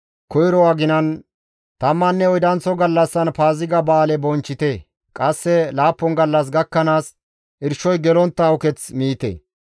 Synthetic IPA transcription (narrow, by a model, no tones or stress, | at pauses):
kɔjɾɔwaɡɪnɐn | t̪ɐmːɐnːɛɔjd̪ɐnt͡sːɔɡɐlːɐsːɐnpaːzɪɡɐbaːlɛbɔnt͡ʃːɪt̪ɛ | kʼɐsːɛlaːpːɔnɡɐlːɐs̬ɡɐkːɐnaːs | ʔɪɾʃɔjɡɛlɔnt̪ːɐʊkɛt͡smiːt̪ɛ̰